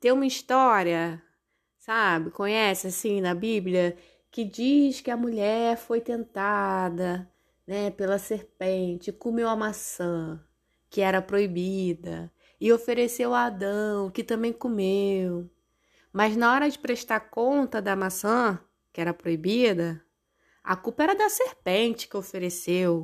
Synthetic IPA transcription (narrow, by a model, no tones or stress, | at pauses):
t̪ẽj̃ũmɐiʃt̪ɔɾiɐ | sabɪkõɲɛsɪasĩnɐbibljɐ | kɪd͡ʒiʃkɪɐmuʎɛɾfojt̪ẽnt̪ad̪ɐ | nɛpelɐseɾpẽt͡ʃɪkomewɐmasɐ̃ | kɪɛɾɐpɾoibid̪ɐ̰ | ɪofeɾesewaad̪ɐ̃w̃kɪt̪ɐ̃mbẽj̃komew | mɐznaɔɾɐd͡ʒɪpɾeʃt̪aɾkõnt̪ɐd̪ɐmasɐ̃ | kɪɛɾɐpɾoibid̪ɐ | ɐ̰kupɐɛɾɐd̪ɐsehpẽnt͡ʃɪ̥kɪofeɾesew